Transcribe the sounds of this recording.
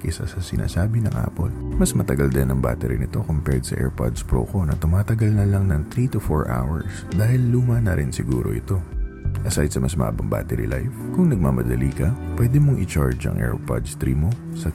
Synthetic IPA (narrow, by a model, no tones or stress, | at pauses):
kɪsɐ̰sɐsɪnʔa̰ːsaːbɪnɐ̰ŋʔa̰ːpo̞̰nmɐsmɐt̪ɐɡɐld̪ɛnɐŋba̰ːt̪ɛɾɪnɪt̪o̞kʊmpɛd̪sɐʔɛ̰ɹpa̰d̪spɹo̰ːko̞nɐt̪ʊmaːt̪ɐɡɐlnɐlɐŋnɐŋt̪ɾit̪ʊfoɹʔa̰wɐɹsd̪aːhɪlːuːmɐnɐɾʔɪnsɪɡuːɾo̞̰ʔɪt̪o̞ʔɐsajd̪sɐmɐsmɐ̰ʔa̰ːbɐŋba̰ːt̪ɛɾḭla̰jfkʊŋnɐɡ̚mamɐd̪ɐliːkɐpwɛd̪ɛmoŋʔɪt͡ʃaɹd͡ʒɐ̰ŋʔɛ̰ɹpa̰d̪st̪ɾiːmo̞ | sɐ